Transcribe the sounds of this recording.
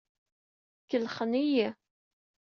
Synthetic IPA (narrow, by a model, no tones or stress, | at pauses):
kːəlχəniji